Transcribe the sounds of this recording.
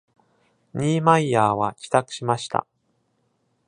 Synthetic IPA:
ɲʲiːmaiaːβakʲi̥t̪akɯ̟̥ɕimaɕi̥t̪ʰa̰

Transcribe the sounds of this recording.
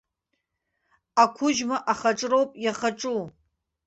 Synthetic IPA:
akʷʰʊʒmaʔaχaʈ͡ʂʼrowpʼjaχaʈ͡ʂʼu

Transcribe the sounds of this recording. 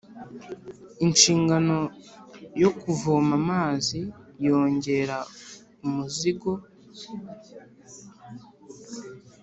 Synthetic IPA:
inʃiːŋɡano̞ | jo̞kuvoːmamaːzijo̞ːɲɟe̞ɾa | umuziɡo̞

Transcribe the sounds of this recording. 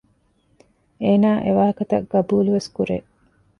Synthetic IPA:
eːnaːʔeʋaːɦɐkɐt̪ɐ̰ɡɐbuːluʋeskuɾḛː

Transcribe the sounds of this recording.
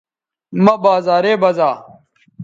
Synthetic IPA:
mɐbaːzaːɾeːbɐzaː

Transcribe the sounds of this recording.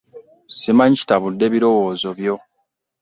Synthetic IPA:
simaɲit͡ʃi̥taβudːe̞βiɾo̞wo̞ːzo̞βjo̞

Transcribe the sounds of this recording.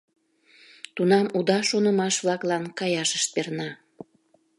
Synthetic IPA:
t̪unɑmud̪ɑʃonəmɑʃβlɑklɑnkɑjɑʃəʃt̪̚pernɑ

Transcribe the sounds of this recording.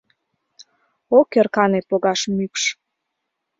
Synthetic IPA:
okerkɑnepoɣɑʃmykʃ

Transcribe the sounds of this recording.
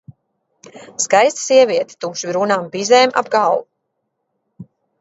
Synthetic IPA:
skajst̪siɛvʲiɛt̪i̥t̪uːʃibɾunaːmbizɛːmʔa̰bɡaw

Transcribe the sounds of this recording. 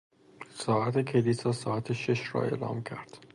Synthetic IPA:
sɒːæt̪ʰekʲʰeliːsɒːsɒːæt̪ʰeʃeʃɾɒ̰ːe̞ːlɒ̰ːmcʰæɾd̪̥

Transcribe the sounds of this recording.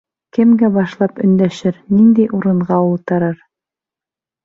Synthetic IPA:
kɘ̆mɡæbɑʃlˠɑpɵ̆nd̪æʃɘɾnind̪ijʔuɾɤ̆ɴʁɑulˠt̪ɤ̆ɾɤɾ

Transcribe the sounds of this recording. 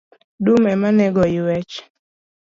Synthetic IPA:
dumɛmanɛɡɔɪwɛt͡ʃ

